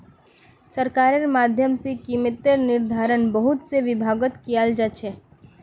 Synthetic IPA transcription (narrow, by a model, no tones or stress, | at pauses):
səɾkaːɾəɾmaːd̪ʱjəmsekiːmɪt̪eɾnɪɾd̪ʱaːɾənbəɦʊt̪seʋɪbʱaːɡət̪kijald͡ʒat͡ʃʰɛ